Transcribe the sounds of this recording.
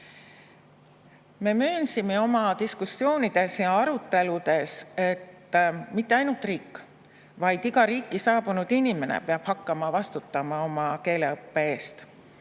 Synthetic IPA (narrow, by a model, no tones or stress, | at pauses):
me̞møːnsime̞o̞mɑt̪iskusːjo̞ːnid̪̥e̞sjɑɑɾut̪ːˑe̞lud̪̥e̞se̞t̪ːˑmit̪ːe̞ɑjnult̪ˑriːkː | vɑjd̪̥iɡ̥ɑɾiːkːˑisɑːb̥unud̪̥inʲime̞nḛpeɑb̥hɑkːɑmɑvɑst̪ut̪ːɑmɑo̞mɑke̞ːle̞ɤpːe̞eːst̪